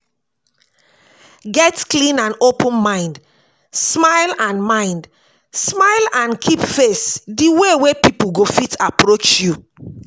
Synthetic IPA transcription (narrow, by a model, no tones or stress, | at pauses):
ɡɛtklĩnãnopə̃nmãɪ̃nd | smaɪlãnmãɪ̃nd | smaɪlãnkʰipfesdiwewepipuɡofitapɹot͡ʃju